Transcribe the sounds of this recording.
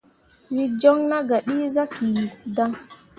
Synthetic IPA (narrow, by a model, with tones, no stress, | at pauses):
wi˦d͡ʒɔ˦ŋna˦ɡa˨ɗi˦za˦ki˨da˦ŋ